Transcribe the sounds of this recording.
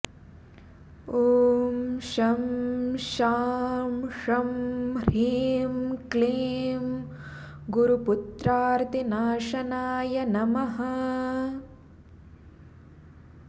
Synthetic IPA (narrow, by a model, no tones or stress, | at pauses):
oːmʃɐmʃaːmʂɐmɾiːmkleːm | ɡuɾuput̪ɾaːɾt̪inaːʂɐnaːjɐnɐmɐɦɐ